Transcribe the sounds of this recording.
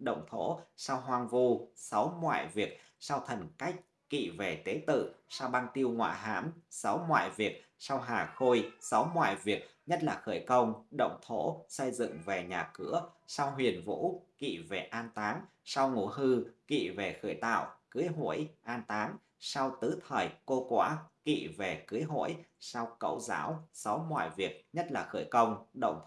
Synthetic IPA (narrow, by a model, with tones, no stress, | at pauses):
ɗə̰˧˨wŋ͡mt̪ʰo̰˧˥sa˧wɦwaː˧˩ŋvu˧sa˨˦wŋwa̰ː˧˨jvi˨˩ək̚ | saː˧wt̪ʰə˨˩nka˦˥jk̟̚ | kḭ˧˨ve˨˩t̪e˨˦t̪ɨ̰˧˨saː˧wɓaː˧nt̪i˧əwŋwa̰ː˧˨ɦaː˨˦˥msa˨˦wŋwa̰ː˧˨jvi˨˩ək̚ | sa˧wɦaː˨˩xo˧jsa˨˦wŋwa̰ː˧˨jvi˨˩ək̚ɲə˦˥t̚laː˨˩xəː˧˩jkə˧wŋ͡mɗə̰˧˨wŋ͡mt̪ʰo̰˧˥sə˧jzɨ̰˧˨ŋve˨˩ɲaː˨˩kɨ̰˧˥əsa˧wɦwi˨˩ənvṵ˧˥kḭ˧˨ve˨˩ʔaː˧nt̪aː˨˦n | sa˧wŋu˧˩ɦɨ˧kḭ˧˨ve˨˩xəː˧˩jt̪a̰ː˧˨wkɨ˨˦jɦo̰˧˩˨jʔaː˧nt̪aː˨˦n | sa˧wt̪ɨ˨˦t̪ʰəː˨˩jko˧kwaː˧˨˦kḭ˧˨ve˨˩kɨ˨˦jɦo̰˧˥˨jsa˧wkə̰˧˨wza̰ː˨˦wsa˨˦wŋwa̰ː˧˨jvi˨˩ək̚ɲə˦˥t̚laː˨˩xəː˧˩jkə˧wŋ͡mɗə̰˧˨wŋ͡m̪